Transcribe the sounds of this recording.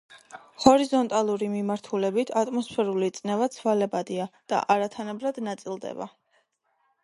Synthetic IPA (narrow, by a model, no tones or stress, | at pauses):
hɔɾizɔnt̪ʼalˠuɾimimaɾt̪ʰulɛbit̪ʰat̪ʼmɔspʰɛɾulit̪sʼnɛvat̪sʰvalɛbad̪iad̪̥a̰ʔaɾat̪ʰanabɾad̪nat̪sʼilˠd̪ɛ̰ba̰